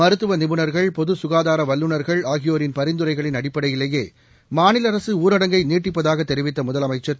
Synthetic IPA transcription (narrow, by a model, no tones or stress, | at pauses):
ɐɾɯt̪ːɯʋɐnɪbɯɳɐɾɣɐɭpɔðɯsʊɣaːðaːɾɐʋɐlːɯɳɐɾɣɐɭaːɣɪjoːɾɪnpɐɾɪnd̪ɯɾɐɪɣɐɭɪnɐɽɪpːɐɽɐjɪlːɐjeː | maːnɪlɐɾɐsɯuːɾɐɽɐŋɡɐɪniːʈːɪp̬ːɐðaːɣɐt̪ːɛɾɪʋɪt̪ːɐmʊðɐlɐmɐɪt͡ʃːɐt̪